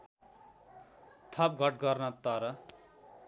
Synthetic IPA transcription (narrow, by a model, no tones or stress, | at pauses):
t̪ʰʌp̚ɡʱʌʈ̚ɡʌrnʌt̪ʌɾʌ